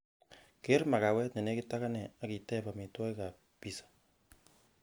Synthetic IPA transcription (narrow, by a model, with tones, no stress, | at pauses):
ke˦rma˨ka˨wɛ˦tɲa˨ne˦kita˦ka˦nɛ˨a˨ki˨tɛ˦pa˨mi˨twɔ˦i˦ka˨ | pi˨sḁ